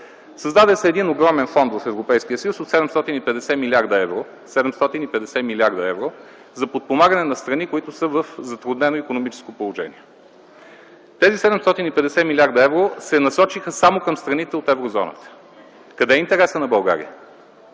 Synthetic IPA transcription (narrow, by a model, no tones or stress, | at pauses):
səzd̪ad̪ɛsɛːd̪inoɡɾɔmɛnfɔnd̪vəfɛvɾopɛjsk̟iəsəjusot̪sɛd̪ɛmst̪ɔt̪inipɛd̪ɛsɛmilʲaɾd̪əɛvɾo | sɛd̪ɛmst̪ɔt̪inipɛd̪ɛsɛmilʲiaɾd̪ɐɛvɾo | zɐpot̪̚pomaɡənɛnɐst̪ɾɐnikoit̪ʊsɤvəfzɐt̪ɾʊd̪nɛnoikonomit͡ʃɛ̥skopolˠoʒɛ̰nḭɛ | t̪ɛzisɛd̪ɛmst̪ɔt̪inipɛd̪ɛsɛmilʲaɾd̪əɛvɾosɛnɐsɔt͡ʃixəsamokəmst̪ɾɐnit̪ɛot̪ɛvɾozɔnə̰t̪ə̥ | kɐd̪ɛint̪ɛɾɛsənɐbɐlˠɡa̰ɾḭə